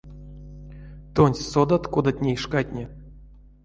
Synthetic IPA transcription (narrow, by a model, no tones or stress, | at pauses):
t̪onʲsʲsod̪at̪kod̪at̪̚ʲnʲeiʂkat̪ʲnʲe